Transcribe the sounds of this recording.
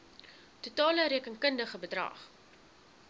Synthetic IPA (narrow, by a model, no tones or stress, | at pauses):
tutɑːləɾiəkənkəndəχəbədrɐ̰ːχ